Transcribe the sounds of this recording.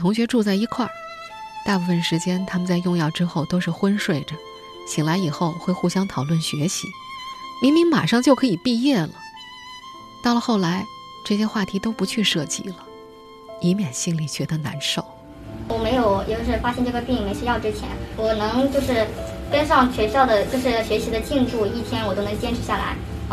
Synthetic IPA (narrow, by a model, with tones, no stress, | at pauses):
t̪ʰʊ˧˥ŋɕɥɛ˧˥ʈ͡ʂu˥˧t͡sa˥˩ɪi˧˥kʰwa̰˥˩ɹ | t̪a˥˧pu˥˩fə˨˩nʂɻ̩˧˥t͡ɕjɛ˥nt̪ʰa˥mə˨nt͡sa˥˧ɪjʊ˥˧ŋjɑ˥˩ʊʈ͡ʂɻ̩˥xo˥˩ʊt̪o˥ʊʂɻ̩˥˩xwə˥nʂwe˥˩ɪʈ͡ʂə˩ | ɕʰi˨˩ŋla˧˥ɪi˨˩xo˥˧ʊxwe˥˧ɪxu˥˩ɕjɑ˥ŋt̪ʰɑ˨˩ʊlwə˥˩nɕɥɛ˧˥ɕḭ˧˥mi˧˥nmi˧˥ŋma̰˨˩ʂɑ˥˧ŋt͡ɕjo˥˩ʊkʰɤ˧˥i˨˩pi˥˧jɛ˥˩lə˩ | t̪ɑ˥˩ʊlə˩xo˥˩ʊla˧˥ɪ | ʈ͡ʂɤ˥˩ɕjɛ˥xwa˥˩t̪ʰi˧˥t̪o˥ʊpu˧˥t͡ɕʰy˥˧ʂɤ˥˧t͡ɕḭ˥˩lə˨ | i˧˥mjɛ˨˩nɕi˥ŋli˥˩t͡ɕɥɛ˧˥d̪ə˧na̰˧˥nʂo˥˩ʊ | wɔ˧˩me˧˥ɪjo˨˩ʊjɛ̰˧˩t͡ɕjo˥˧ʂɻ̩˥˧˩fa˥ɕjɛ˥nʈ͡ʂɤ˥˩ɡə˨˩pi˥˩˥me˧˥ɪɕɥɛ˥jɑ˥˩ʊʈ͡ʂɻ̩˥t͡ɕʰjɛ̰˧˥nwɔ˨˩nɤ˧˥ŋt͡ɕjo˥˧ʊʂɻ̩˥˩ka˥nʂɑ˥˩ŋɕɥɛ˧˥ɕjɑ˥˩ʊd̪ə˩t͡ɕjo˥˧ʊʂɻ̩˥˩ɕɥɛ˧˥ɕi˧˥d̪ə˧t͡ɕi˥˧nʈ͡ʂu˥˧i˥˩t̪ʰjɛ˥nwɔ˨˩t͡ɕo˥ʊnɤ˧˥ŋt͡ɕjɛ˥nʈ͡ʂʰɻ̩˧˥ɕja˥˩la̰˧˥ɪ